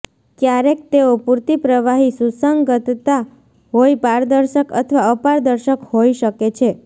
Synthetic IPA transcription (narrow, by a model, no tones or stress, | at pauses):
kjaɾek̚t̪eopuɾt̪ipɾəʋaɦisusəŋɡɡət̪t̪a | ɦoipaɾd̪əɾʃəkə̰t̪ʰəʋaəpaɾd̪əɾʃəkhoiʃəket͡ʃʰe